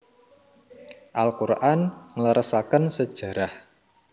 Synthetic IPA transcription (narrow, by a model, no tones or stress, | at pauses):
ʔalkuɾʔanŋələɾəsakənsəd̥ʒ̥a̤ɾah